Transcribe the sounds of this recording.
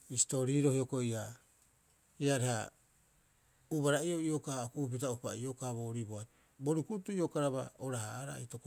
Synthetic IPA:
isto̞ɾiɾo̞hiokoia | iaɾeha | uβaɾaioiokaokup̬it̬aupa̰iokaβo̞ːɾiboa | bo̞ɾukutuio̞kaɾaβa̰oɾahaːɾa̰itok

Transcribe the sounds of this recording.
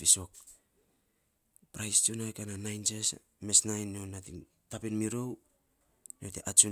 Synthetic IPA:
iso̞k̚ | pɾajst͡ʃunakananajnt͡ʃes | me̞snajnːonatiŋ | tapinmiɾo̞w | notḛʔat͡ʃu

